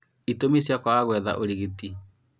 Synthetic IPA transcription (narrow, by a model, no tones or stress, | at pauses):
itomisjakwaaɣwɛða̰ʔoɾeɣeti